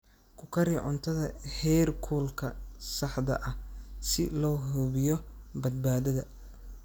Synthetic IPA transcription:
kʰʊkʰɐɾiʕʊ̰nt̪ʰɐðɐhɛrkʰuːlkʰɐsɑħd̪ɐ̰ʔɐsɪlɔːɦuβɪjɔ | bɐd̪̚baːðɐðɐ

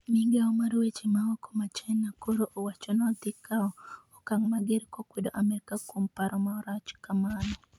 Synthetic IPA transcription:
miŋɡɛɔmarwet͡ʃemaɔko̥mat͡ʃɛnːakoɾoʔowat͡ʃɔnɔt̪ɪkaɔɔkaŋmaɡɪɾkokwedoʔamɛɾkakumpaɾɔmaɔɾat͡ʃkamanɔ

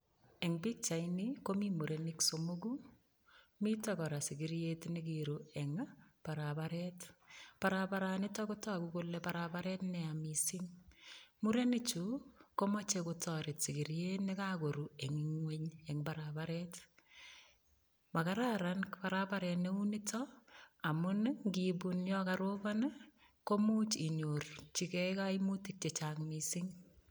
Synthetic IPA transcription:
ɛŋbik̚t͡ʃaɪnikomimuɾenɪksomoɡ̬u | mitɔkɔɾasɪkɪɾjetnɪk̬iɾuɛŋpaɾabaɾɛtpaɾapaɾanɪtɔkotɔkukolɛpaɾabaɾɛtnɛamisɪŋ | muɾenɪt͡ʃukomɔt͡ʃekʊtɔɾɪtsɪkiɾjenekakoɾueŋŋweɲɛŋbaɾabaɾɛt | makaɾaɾankpaɾabaɾɛtneunitʰɔamʊnŋɡibunjɔkaɾoban | komut͡ʃiɲort͡ʃikɛkaimutik̚t͡ʃet͡ʃaŋmisɪŋ

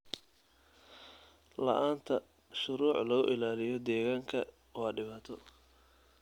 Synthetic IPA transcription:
lɐ̰ʔaːnt̪ʰɐ | ʃʊɾuːʕlɐɣʊ̰ʔɪlaːlɪjɔd̪ɛːɣaːŋkʰɐ̰ | wɑːɖɪβaːt̪ʰɔ

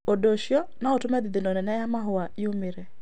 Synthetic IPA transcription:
odoʃjɔnaɔtʊmɛd̪ɪd̪ɪnonɛnɛjamaɦʊaɪumiɾe

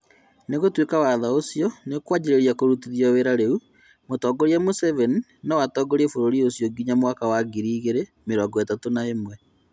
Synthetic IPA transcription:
neɣotwekawaðaosjɔnekwad͡ʑiɾeɾiakoɾutiðjɔweɾaɾeu | motɔɡoɾiamosɛvɛninawatɔɡoɾefoɾoɾiosjɔɡiɲamwakawaɡiɾiːɣeɾe | meɾɔːɡɔetatonaemwɛ

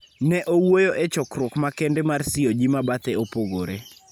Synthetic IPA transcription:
nɛʔowojoʔet͡ʃɔkrʊkmakendemarsɪod͡ʒimabat̪eopoɡoɾe

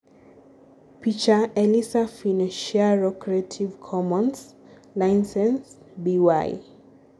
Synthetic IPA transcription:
pʰit͡ʃaɛlisafinaʃiaɹɔkʰɹetʰivkʰɔmɔ̃ns | lajnsɛ̃ns | biwa̰j

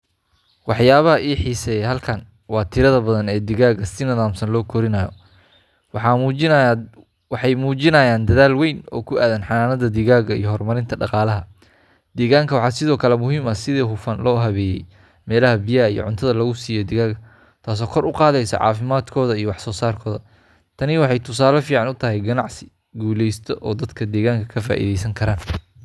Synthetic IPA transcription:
wɑħjaːβɐɦɐʔiːħiːsɛɛɦɐlkʰɐn | wɑːt̪ʰɪɾɐðɐbɐðɐnɛːd̪ɪɣaːɣɐsɪnɐðaːmsɐnlɔːkʰɔɾɪnɐjɔ | wɑ | wɑħɑjmuːt͡ʃɪnɐːjaːnd̪ɐðaːlwejnɔ̰ːkʰʊaːðɐnħɑnaːnɐðɐd̪ɪɣaːɣɐḭjɔhɔrmɐɾɪnt̪ʰɐɖɑqɑːlɐɦɐ | d̪̥ɛːɣaːŋkʰɐwɑħɑːsɪðɔːkʰɐlɛmʊɦiːmɐsɪðɛːɦʊfɐnlɔːɦɐβɛːjɛ̰j | mɛːlɐɦɐbɪjɐijɔ̰ʕʊnt̪ʰɐðɐlɐɣʊsiːjɔd̪ɪɣaːɣɐ | t̪ʰaːs̬ɔːkʰɔɾʊqɑːðɛjsɐ̰ʕɑ̰ːfɪmaːd̪kʰɔːðɐijɔwɑħsɔːsaːrkʰɔːðɐ | t̪ʰɐnɪwɑħɑjt̪ʰʊs̬aːlɐfiːʕɑnʊt̪ʰɐɦɛjɡɐnɑʕsɪ̥ | ɡuːlɛjst̪ʰɔʔɔːd̪ɐd̪kʰɐd̪ɛːɣaːŋkʰɐkʰɐfa̰ːʔḭðɛjsɐŋkʰɐɾaːn

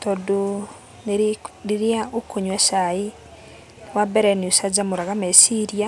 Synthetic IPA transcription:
tɔdo | nneɾiaokoɲwɛsai | wabɛɾɛnusad͡ʑamoɾaɣamɛsiɾia

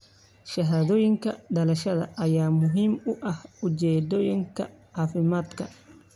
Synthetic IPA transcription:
ʃɐɦaːðɔːjɪŋkʰɐɖɐlɐʃɐðɐ̰ʔɐjaːmʊɦiːmʊʔɐhʊt͡ʃɛːd̪ɔːjɪŋkʰɐ̰ | aːfɪmaːd̪kʰɐ

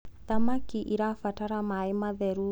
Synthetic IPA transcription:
t̪amakiʔiɾafataɾamaɛmaðɛɾu

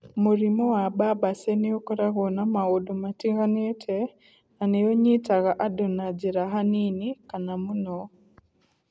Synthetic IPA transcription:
muɾimɔwababasɛneokɔɾaɣɔnamaodomatiɣanetʰɛ | nanejoɲitaɣaʔadonad͡ʒiɾaɦaninikanamunɔ

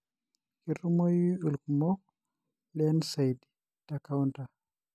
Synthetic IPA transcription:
kiɾumojulkmɔ | lɛnsajdi̥ | d̥akawnta

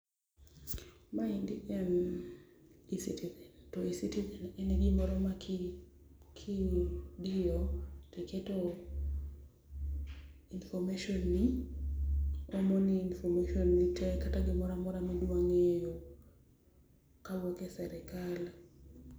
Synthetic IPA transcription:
maindiɡɛn | isitizɛntɔisitizɛnɛnɛɡimɔɾɔmak | kʰidijoteketo | infɔmaʃonːɪ | ɔmɔniːnfɔmaʃonːitʰɛkataɡɪmɔɾamɔɾamɛdwaŋejo | kalwɔkesɛɾɛkal

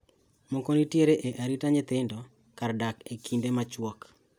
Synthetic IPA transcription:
mokonitjeɾeʔeʔaɾitaɲɪt̪ɪndɔ | kardakekʰindemat͡ʃwɔk

